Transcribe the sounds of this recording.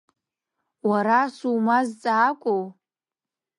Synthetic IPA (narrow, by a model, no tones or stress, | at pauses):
waɾasumazt͡sʼaːkʷʼow